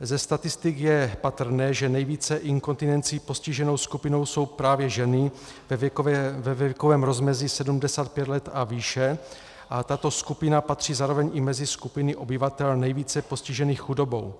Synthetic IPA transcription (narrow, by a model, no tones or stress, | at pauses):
zɛst̪at̪ɪst̪ɪkjɛpat̪r̩nɛːʒɛnɛjviːt͡sɛʔɪŋko̞nt̪ɪnɛnt͡siːpo̞scɪʒɛno̞wskupɪno̞wso̞wpɾaːvjɛʒɛnɪ | vɛvɛkovɛːmɾo̞zmɛzɪsɛdumdɛsaːt̪̚pjɛt̪lɛt̪aviːʃɛ | ʔat̪at̪o̞skupɪnapat̪r̝̥iːzaːɾovɛɲɪmɛzɪskupɪnɪʔo̞bɪvat̪ɛlnɛjviːt͡sɛpo̞scɪʒɛniːxxudo̞bo̞̰w